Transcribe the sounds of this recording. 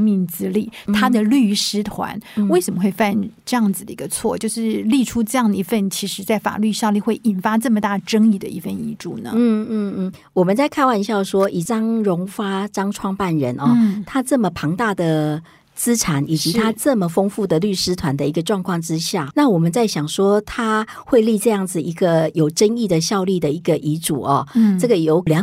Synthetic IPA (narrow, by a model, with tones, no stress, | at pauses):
mi˥˩ŋt͡sɹ̩˥li˥˩t̪ʰa˥d̪ə˨ly˥˩ʂɻ̩˥t̪ʰwa̰˧˥nwe˥˩ɪʂə˨˩mə˦xwe˥˧ɪfa˥˧nʈ͡ʂɤ˥˧jɑ˥˩ŋd͡zɹ̩˩d̪ə̰˨˩i˧˥ɡə˧t͡sʰwɔ̰˥˩t͡ɕjo˥˧ʊʂɻ̩˥˩˧li˥˩ʈ͡ʂʰu˥ʈ͡ʂɤ˥˧jɑ˥˩ŋd̪ə˩i˧˥fə˥˩nt͡ɕʰi˧˥ʂɻ̩˧˥t͡sa˥˩ɪfa̰˨˩ly˥˧ɕja˥˧li˥˧xwe˥˩ɪʔi˨˩nfa˥t͡sɤ˥˩mə˩t̪a˥˩ʈ͡ʂɤ˥ŋi˥˩d̪ə̰˨˩i˥˧fə˥˧nḭ˥˧˩ʈ͡ʂṵ˥˩nə̰˩n̩˥˩n̩˥n̩˥˩ | wɔ˨˩mə˨˦nt͡sa˥˧ɪkʰa˥˧nwa˥˩˧ni˧˥ɕjɑ˥˩ʂwɔ˥ʔi˨˩t͡sɑ˥ŋɻʊ˧˥ŋfa˥ʈ͡ʂɑ˥ŋʈ͡ʂʰwɑ˥˧ŋpa˥˩nɻə̰˧˦nʔɔ˥˧˥t̪ʰa˥t͡sɤ˥˩mə˨˩pʰɑ˧˥ŋt̪a˥˩d̪ə˩ | t͡sɹ̩˥ʈ͡ʂʰa˨˧˦nʔi˨˩t͡ɕi˧˥t̪ʰa˥t͡sɤ˥˩mə˩fo˥ŋfu˥˩d̪ə˨ly˥˩ʂɻ̩˥t̪ʰwa˧˦nd̪ə˧˨i˧˥ɡə˧ʈ͡ʂwɑ˥˧ŋkʰwɑ˥˩ŋʈ͡ʂɻ̩˥˦ɕja˥˩na˥˨wɔ˨˩mə˦nt͡sa˥˩ɪɕjɑ˨˩ŋʂwɔ˥t̪ʰa˥ | xwe˥˧ɪli˥˧ʈ͡ʂɤ˥˧jɑ˥˩ŋd͡zɹ̩˩i˧˥ɡə˧jo˨˩ʊʈ͡ʂə˥ni˥˩d̪ə˩ɕjɑ˥˧ʊli˥˩d̪ə˨i˧˥ɡə˨ʔi˧˥ʈ͡ʂu˨˩ɐ˨˩˥ʈ͡ʂɤ˥˩ɡə˩jo˧˥ʊljɑ˧˥